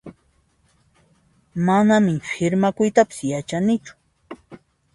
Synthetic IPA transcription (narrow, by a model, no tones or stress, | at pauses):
manamɪfʰɪɾmakʊjt̪apɪ̥sjat͡ʃanɪt͡ʃʊ̥